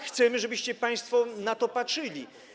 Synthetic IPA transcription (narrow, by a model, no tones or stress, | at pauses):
xt̪sɛmɘʐɛbɘɕt͡ɕɛpaj̃st̪fɔnat̪ɔpatʂɘlʲi